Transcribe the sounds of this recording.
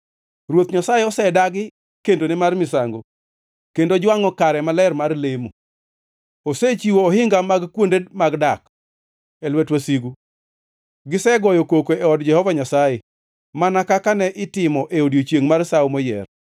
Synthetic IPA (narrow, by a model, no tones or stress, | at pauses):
rwot̪ɲasaeɔsɛdaɡɪ | kendonɪmarmɪsaŋɡo̰ | kendod͡ʒwaŋɔkaɾɛmalɛrmarlemo | oset͡ʃiwoːhɪŋɡamaɡkwondedmaɡdak | ɛlwɛtwasiɡu | ɡɪsɛɡɔjɔkokoʔɛɔdd͡ʒɛhɔvaɲasaje | manakakanɛʔɪtɪmɔʔeodjot͡ʃjeŋmarsaomɔjɛ̰r